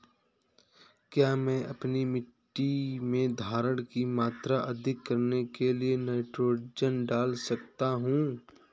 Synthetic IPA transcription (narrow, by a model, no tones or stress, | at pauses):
kjaːmɛ̃ːʔɐpnimɪʈːimẽd̪ʱaːɾəɽ̃kimaːt̪ɾaʔɐd̪ʱɪkːɐɾnekelieneːʈɾoːd͡ʒənɖaːlsɐkt̪aɦũ